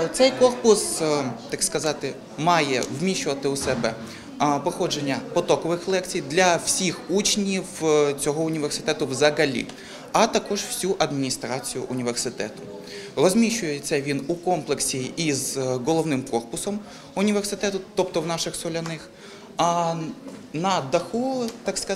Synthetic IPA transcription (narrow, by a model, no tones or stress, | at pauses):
t̪sɛjkɔrpʊst̪ɑkskɐzɑt̪ɪ | mɑjɛwmʲiʃʊʋɐt̪ɪʊsɛbɛ | pɔxɔd͡ʒenʲːɐpɔt̪ɔkɔʋɪxlˠɛkt͡sʲijd̪lʲɐw̥sʲixut͡ʃnʲiwt͡sʲɔɦɔʊnʲiʋe̞rsɪ̥t̪ɛt̪ʊwzɐɦɐlʲḭ | ɐt̪ɐkɔʒw̥sʲuʔɐd̪mʲinʲist̪ɾɑt͡sʲijʊʔʊnʲiʋersɪt̪ɛ̰t̪ʊ | rɔzʲmʲiʃʊjet͡sʲɐʋʲinukɔmplˠeksʲiːzɦɔlˠɔʋnɪmkɔrpʊsɔm | ʊnʲiʋersɪt̪ɛt̪ʊt̪ɔpt̪ɔwnɑʃɪxsɔlʲɐnɪx | nɐd̪ɐxut̪ɑkskɐ